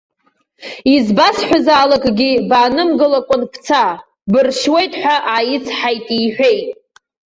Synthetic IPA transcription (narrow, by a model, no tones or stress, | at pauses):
izbasħʷᶣazaːlakʼɡʲibaːnɨmɡɨlakʷʼʊnpʰt͡sʰa | bɨrʃwe̞jtʼħʷᶣaʔajɪt͡sʰħajtʼiħʷᶣejtʼ